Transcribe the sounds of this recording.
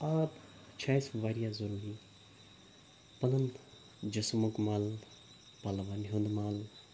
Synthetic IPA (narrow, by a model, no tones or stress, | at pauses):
aːt̪ | t͡ʃʰajsʋaɾijazəɾuɾi | pɐnɐn | d͡ʒosmukmaːl | palʋanɦõnd̪maːl